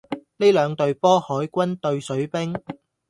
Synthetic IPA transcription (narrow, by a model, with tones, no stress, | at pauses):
ne˥lœː˨˧ŋt̪ɵ˧ɥpɔː˥hɔː˨˥jkʷɐ˥nt̪ɵ˧ɥsɵ˨˥ɥpɪ˥ŋ